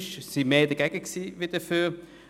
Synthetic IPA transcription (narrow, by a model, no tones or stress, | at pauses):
ʃsimeːdəɡ̥ɛɡ̥əksiːʋid̥əfyː